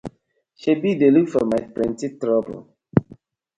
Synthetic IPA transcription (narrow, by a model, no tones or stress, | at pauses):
ʃebidelukfɔmaɪpɹɛ̃ntitɹɔbə̰l̩